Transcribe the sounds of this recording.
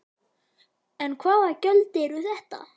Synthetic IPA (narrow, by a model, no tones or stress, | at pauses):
ɛnkʰvaːðacœlt̪ɪɾuθɛht̪a̰